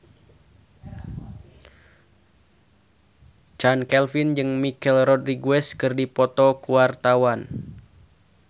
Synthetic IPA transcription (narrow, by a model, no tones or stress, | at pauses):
t͡ʃankɛlfind͡ʒɨŋmikɛlrɔdriɡuɛskɨrdipɔt̪ɔkuwart̪awan